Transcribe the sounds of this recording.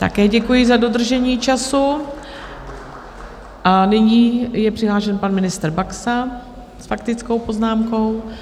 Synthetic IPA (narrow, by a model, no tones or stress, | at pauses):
t̪a̰kɛːɟɛkujɪzado̞d̪r̩ʒɛɲiːt͡ʃasu | ʔanɪɲiːjɛpr̥ɪɦlaːʃɛnpanmɪnɪst̪r̩baksa | sfakt̪ɪt͡sko̞wpo̞znaːmko̞w